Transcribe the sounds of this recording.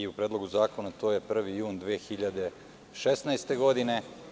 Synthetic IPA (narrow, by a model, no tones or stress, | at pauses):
iupɾeːd̪lo̞ɡuzaːko̞nat̪o̞ːje̞pr̩ʋijuːnd̪ʋeːxiʎad̪e̞ | ʃesnajst̪e̞ɡo̞d̪ine̞